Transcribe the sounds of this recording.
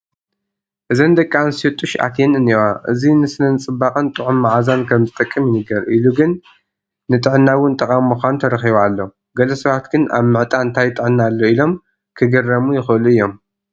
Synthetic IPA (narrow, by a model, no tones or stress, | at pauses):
ʔɨzɐnd̪ɐkʼːansot̪ʼːuʃa̰t̪ʰenɨnewaʔɨ̰zinɨsɨnɐnt͡sʼɨbːakʼɨnt̪ʼɨʕumːaʕazankʰɐmzɨt̪ʼɨkʼːɨmjɪnɨɡɐɾʔiluɡɨnː | ɨt̪ʼɨʕɨnːawʊnt̪ʼɐkʼamːuxʷanut̪ʰɐɾɐxiβalːo̞ | ɡɐlɐsɐβat̪ɡɨna̰βmɨʕt̪ʼaɨnt̪ʰajt̪ʼɨʕɨnːalːoilo̞m | kʰɨɡɐrːɐmujɪxɨɨluɨjːo̞m